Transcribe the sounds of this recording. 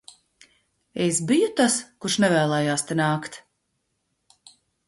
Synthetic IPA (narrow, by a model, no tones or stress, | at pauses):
esbijut̪askuɾʃnɛvɛːlˠɛːjaːst̪ɛnaːkt̪